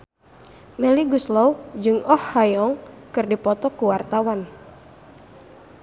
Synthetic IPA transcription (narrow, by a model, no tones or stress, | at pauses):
mɛliɡuslɔwd͡ʒɨŋɔhːajɔŋ | kɨrdipɔt̪ɔkuwart̪awan